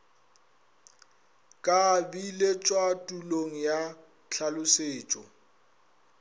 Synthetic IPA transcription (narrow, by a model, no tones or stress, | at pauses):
kʼabilet͡ʃʼwatʼuloŋ̩ja | t͡ɬʰalʊseːt͡ʃʼɔ